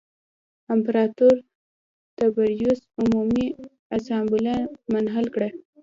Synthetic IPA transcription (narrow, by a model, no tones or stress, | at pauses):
ɪmpɾɑt̪uɾ | t̪abaɾjusʊmumi | asɑmbɪlamanɦalkɽa